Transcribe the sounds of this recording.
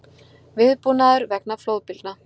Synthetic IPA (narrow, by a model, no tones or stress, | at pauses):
vɪðpunaðʏɾvɛknafloːwðpɪlt̪̚na